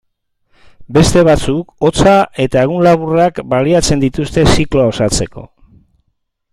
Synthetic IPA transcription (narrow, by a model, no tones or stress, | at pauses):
be̞st̪e̞β̞at͡suko̞t͡saʔe̞t̪aeɣunlaβurakbaliat͡se̞nd̪it̪ust̪e̞sikloao̞sat͡se̞ko̞